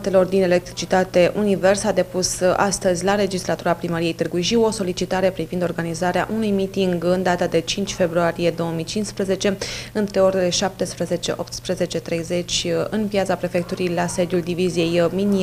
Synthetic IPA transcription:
t̪e̞lo̞rd̪ine̞lek̚t̪ɾit͡ʃit̪at̪e̞ʔunive̞rsad̪e̞pusa̰st̪əzʲlale̞d͡ʒislat̪uɾapɾiməɾije̞jt̪ɨrɡujʃio̞so̞lit͡ʃit̪aɾe̞pɾivind̪o̞rɡanizaɾea̰ʔunujmit̪iŋɡɨnd̪at̪ad̪e̞t͡ʃint͡ʃʲfe̞bɾuaɾije̞d̪o̞omijt͡ʃint̪spɾəze̞t͡ʃe̞ɨnt̪ɾe̞o̞ɾe̞le̞ʃap̚t̪espɾəze̞t͡ʃe̞ʔo̞p̚t̪spɾəze̞t͡ʃe̞t̪ɾe̞jze̞t͡ʃʲɨnpjat̪sapɾe̞fe̞k̚t̪uɾijlase̞d̪juld̪ivizije̞jmini

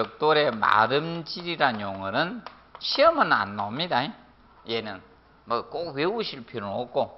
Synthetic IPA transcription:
ʌk̚t͈oɾema̰ɾɯmt͡ɕiɾiɾaɲoŋɯɾɯn | ɕʰiʌmɯna̰nːamɲidae | jenɯn | mɯkok̚weuɕʰiɭpʰjiɾook̚k͈o

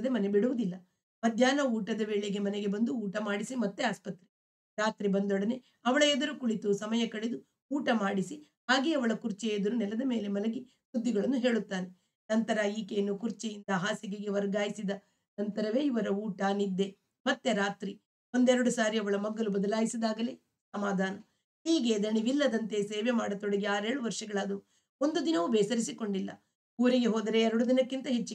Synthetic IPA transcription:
ɐd̪emɐne̞biɽuʋud̪ilːɐ | mɐd̪ʱjaːnɐuːʈɐd̪ɐʋeːɭeɡe̞mɐneɡe̞bɐnd̪uuːʈɐmaːɽisimɐt̪ːeaːspɐt̪ɾe | ɾaːt̪ɾibɐnd̪ɔɽɐne | ɐʋɐɭɐed̪ɐɾukuɭit̪usɐmɐjɐkɐɭed̪u | uːʈɐmaːɽisi | ɦaːɡeɐʋɐɭɐkuɾt͡ʃɛed̪ɐɾunɛlɐd̪ɐme̞ːle̞mɐlɐɡi | sud̪ʱːiɡɐɭɐnːuɦe̞ːɭut̪ːaːne | nɐnt̪ɐɾɐiːkeːnːukuɾt͡ʃijind̪ɐɦaːsiɡeɡe̞ʋɐɾɡaːjisid̪ɐ | nɐnt̪ɐɾɐʋe̞ːiʋɐɾɐuːʈanid̪ːe̞ | mɐt̪ːe̞ɾaːt̪ɾi | o̞nd̪ɛɾɐɽusaːɾiɐʋɐɭɐmɐɡːɐlubɐd̪ɐlaːjisid̪aːɡɐle | sɐmaːd̪ʱaːnɐ | hiːɡe̞d̪ɐɳiʋilːɐd̪ɐnt̪e̞seːʋemaːɽɐt̪oɽɐɡeaːɾeːɽuʋɐɾʂɐɡɐɭaːd̪u | o̞nd̪ud̪inɐʋubɛːsɐɾisiko̞ɳɖilːɐ̰ | uːɾiɡeɦoːd̪ɐɾe̞ːɾɐɽud̪inɐkːint̪ɐɦet͡ʃːi

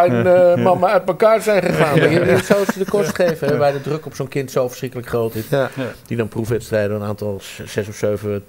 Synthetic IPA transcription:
ɛnmɑməœɥt̚məkaːɹzɛjnχəχaːndəiitsowsədəkɔstχejvəɦɛʋɛjdədrøkɔpsonkɪntsofə̥ɹsχrɪkələkχrowtɪsd̥idɔnprufʋɛtstrɛjdoənaːntɔlˠ | sɛsɔfsøɥvə

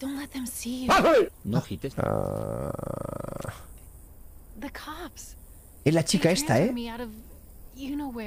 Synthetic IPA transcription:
d̥õʊ̃ntˡlɛt̪̚ðɨ̃msianoxit̪esa̰ | ðɨkʰɑps | elat͡ʃikaestt̪aemiaʊɾʌv | jɨnoʊwə

